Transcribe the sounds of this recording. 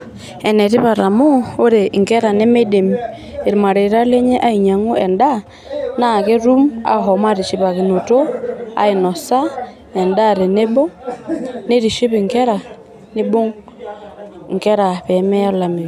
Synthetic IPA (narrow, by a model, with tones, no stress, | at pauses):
ɛ˨ne˨ɾi˦βa˨ɾa˨moː˦ɾe˨ŋkɛ˦ɾa˨ne˦me˦de˨mi | e˨ɾi˨ma˨ɾe˨ɾa˦le˦ɲe˦ʔa˦i˨ɲa˨ŋo˦ɛ˨nda˦ | na˦˨ke˦ɾu˦ma̰˨ɦo˨ma˦ɾi˨ʃi˨βa˨ɣe˨no˨to˦a̰˦e˨no˨sa˦ | ɛ˨nda˦˨ɾe˨ne˦bo˦ | ne˦ɾi˨ʃi˦βi˨ŋke˦ɾa˨ | ne˦bo˦ŋ | ŋke˦ɾa˨βɛmɛ˦a˦la˨me˨